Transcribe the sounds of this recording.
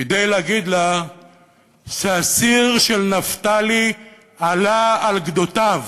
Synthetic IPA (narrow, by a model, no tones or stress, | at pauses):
ed̪ejleaɡid̪la | ʃeasiʁʃelnaft̪ali | alaːlɡd̪ot̪av